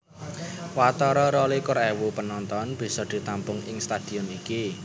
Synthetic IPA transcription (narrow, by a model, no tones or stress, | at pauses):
wat̪ɔɾɔɾɔlikʊɾɛwupənɔnt̪ɔnb̥i̤sɔd̪̥i̤t̪ampʊŋɪŋst̪ad̪̥i̤ɔniki